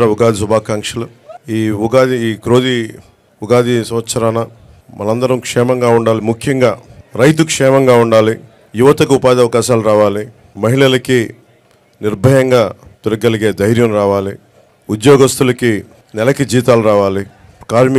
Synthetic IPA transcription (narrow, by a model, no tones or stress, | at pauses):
ɾɐuɡaːd̪ʱisubʱaːkaːŋkʂɐlɐ | iːuɡaːd̪iːkɾoːd̪i | uɡaːd̪isɐmɐt̪sɐɾanɐ | mɐlɐnd̪ɐɾɐmkʂɛːmɐŋɡaːuɳɖaːlimukʰjɐŋɡaːɾɐjt̪̬ukʂɛːmɐŋɡaːuɳɖaːli | juʋɐt̪ɐkɐupaːd̪iɐʋɐkaːʃaːluɾaːʋaːli | mɐɦiɭɐlɐki | niɾbʱɐjɐŋɡaːt̪uɾɐɡɐliɡe̞ːd̪ɐjɾjɐmɾaːʋaːli | ud̪jɔːɡɐst̪ulɐki | nɛlɐkid͡ʒiːt̪aːluɾaːʋaːli | kaːɾmi